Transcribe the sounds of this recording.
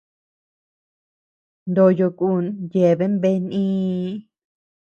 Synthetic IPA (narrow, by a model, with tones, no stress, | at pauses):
nd̪o˧˨jo˧ku˦˨nje˨βe˦mbe˦nĩː˦